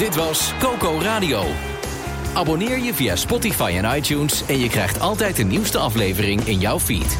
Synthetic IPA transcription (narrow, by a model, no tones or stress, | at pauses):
d̥ɪtʋɑskowkowraːdiow | ʔaːbonɪːɹjəvija̰spɔtifajɛnɑjtunsɛnjəkrɛjχtʰɑlˠtɛjtənːiwstəɑflejvərɪŋɪnjawfḭt